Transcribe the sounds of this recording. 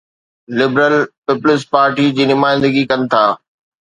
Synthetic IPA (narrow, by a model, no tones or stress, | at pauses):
lɪbɾəlpɪplɪspaːɾʈid͡ʑiːnʊmaːɪ̃nd̪əɡikɐnɪ̆t̪ʰaː